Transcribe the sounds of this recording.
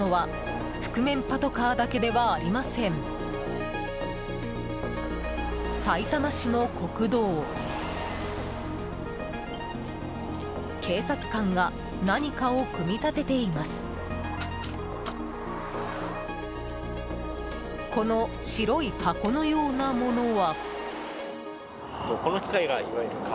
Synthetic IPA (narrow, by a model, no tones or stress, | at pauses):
oβa | ɸɯ̟̥kɯ̟mẽ̞mpat̪o̞kaːd̪ake̞d̪e̞βaːɾʲimasẽ̞ɴ | sait̪amaɕino̞ko̞kɯ̟d̪o̞ː | kʰe̞ːsat͡sɨ̥kãŋɡa | naɲ̟ikao̞kɯ̟mʲit̪at̪e̞t̪e̞imasɨ̥ | ko̞no̞ɕiɾo̞ipʰako̞no̞jo̞ːnamo̞no̞βa | d̪̥o̞ko̞no̞kʲi̥kaiɡaiβaeɾɯ̟ka